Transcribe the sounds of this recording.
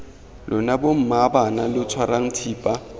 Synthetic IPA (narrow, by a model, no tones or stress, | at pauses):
lʊnabom̩mabanalʊt͡sʰwaraŋ̩tʰiːpʼa